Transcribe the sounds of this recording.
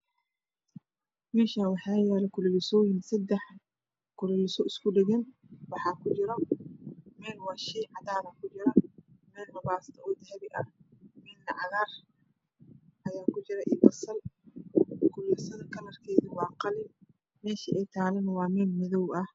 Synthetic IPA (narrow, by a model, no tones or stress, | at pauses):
mɛːʃaːnwɑħɑːjɛːlɛkʰʊlɛlɪsɔːjɪnsɐd̪ɛħ | kʰʊlɛlɪsɔɪskʊɖɪɣɛn | wɑħɑːkʰʊt͡ʃɪɾɔ | mɛːlwɑːʃiːʕɑd̪aːðɐkʰʊt͡ʃɪɾɐmɛːlnɐβaːst̪ʰɐʔɔːd̪ɪhɛβɪʔɐmɛːd̪nɐʕɑðaːr | ʔɐjaːkʰʊt͡ʃɪɾɛʔɪbɐsɐl | kʰʊlɪsɐðɐkʰɐnɐrkʰɛːðiwɑːqɑlɪm | mɛːʃɐʔɛjt̪ʰaːlɐnwɑːmɛːlmɪðɔwɐh